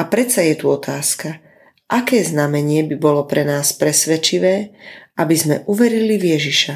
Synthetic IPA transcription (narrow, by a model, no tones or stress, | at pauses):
apɾɛt͡sajɛt̪uɔt̪aːska | ʔakɛːznamɛɲɪɛbibɔlɔpɾɛnaːspɾɛsʋɛt͡ʃiʋɛːʔabizmɛʔuʋɛɾilivjɛʒiʃa